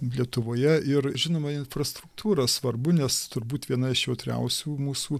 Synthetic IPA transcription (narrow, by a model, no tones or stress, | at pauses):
lʲiɛt̪ʊʋoːjɛɪrʒʲɪnoːmɐɪnfrɐst̪ɾʊkt̪ʰuːɾɐsʋɐrbʊnʲɛst̪ʊɾbuːt̪ʋʲiɛnɐɪʃjɛʊt̪ʲɾʲɛ̰ʊsʲuːmuːsuː